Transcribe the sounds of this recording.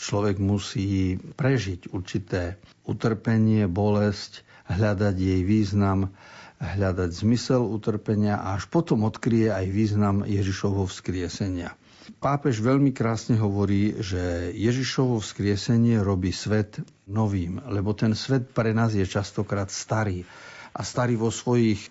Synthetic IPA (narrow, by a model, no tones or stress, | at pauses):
t͡ʃlɔʋɛɡmusiːpɾɛʒicuɾt͡ʃit̪ɛː | ut̪r̩pɛɲɪɛbɔlɛsc | ɦʎad̪aɟjɛjʋiːznamɦʎad̪aɟzmisɛlut̪r̩pɛɲɪaʔa̰aʃpɔt̪ɔmɔt̪kɾijɛajʋiːznamjɛʒiʃɔʋɛɦɔfskɾɪɛsɛɲɪa̰ | paːpɛʒʋɛʎmikɾaːsɲɛɦɔʋɔɾiːʒɛjɛʒiʃɔʋɔfskɾɪɛsɛɲɪɛɾɔbiːsʋɛt̪ | nɔʋiːmlɛbɔt̪ɛnsʋɛt̪̚pɾɛnaːzjɛt͡ʃast̪ɔkɾaːt̪st̪aɾiːʔast̪aɾiːʋɔsʋɔjiːx